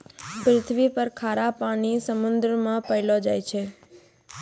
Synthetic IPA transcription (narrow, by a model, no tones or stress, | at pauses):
pɾɪt̪ʰʋipəɾkʰaɾapaɽ̃isəmʊnd̪ɾəmãpəɦlod͡ʒajt͡ʃʰe